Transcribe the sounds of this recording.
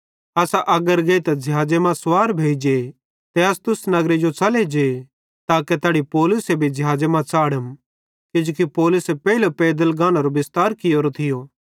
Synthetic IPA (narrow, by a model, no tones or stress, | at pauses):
ɐsaʔɐɡəɾɡeːit̪ad͡ʒʱɦaːd͡ʒemãswaːɾbʱeːd͡ʒe | t̪ɛɐst̪ʊsnɐɡɾed͡ʒot͡sɐled͡ʒe | t̪aːket̪aːɽipɔːlʊsebʱid͡ʒɐɦaːd͡ʒemãt͡saːɽəm | kɪd͡ʒoːkipɔːlʊsepɛːilopɛːd̪əlɡãːñaɾobɪst̪aːɾkɪjoːɾot̪ʰɪjoː